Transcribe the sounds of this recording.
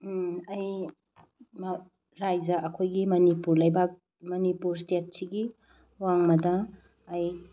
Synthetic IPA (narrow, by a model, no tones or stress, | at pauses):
ɐj | m | ɾajzɐʔɐkʰojɡimɐnipuɾlɐjbak̚ | mɐnipuɾstet̚siɡi | waŋmɐdɐː | j